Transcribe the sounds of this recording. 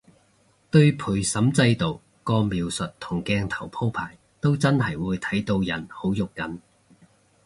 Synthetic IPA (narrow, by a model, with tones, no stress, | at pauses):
t̪ɵ˧ɥpʰuː˨˩jsɐ˨˥mt͡sɐ˧jt̪o˨w | kɔː˧miː˨˧wsɵ˨t̚t̪ʰʊ˨˩ŋkɛː˧ŋt̪ʰɐ˨˩wpʰo˥wpʰaː˨˩j | t̪o˥wt͡sɐ˥nɦɐ˨˩jwuː˨˧jt̪ʰɐ˨˥jt̪o˧wjɐ˨˩nho˨˥wjʊ˨kːɐ˨˥n